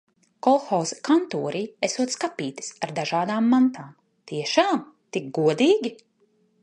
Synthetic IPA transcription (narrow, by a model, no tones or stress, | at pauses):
kɔlxɔːzkant̪uːɾiːesuɔt̪skapiːt̪ɨ̥saɾd̪aʒaːd̪aːmːant̪aːm | t̪iɛʃaːm | t̪ik̚ɡuɔd̪iːɡʲi